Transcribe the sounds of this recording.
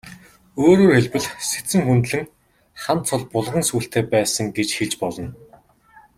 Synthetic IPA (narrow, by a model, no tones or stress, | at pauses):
oːɾoːxeɮpɘ̆ɮset͡sɘ̆ŋxunt̪ɮɘ̆ŋ | χan̥t̪t͡sʰʊɮpʊɮʁə̆nsuːɬt̪ʰeːpæːsə̆ŋɡet͡ɕxeɮt͡ɕpɔɮɞ̆n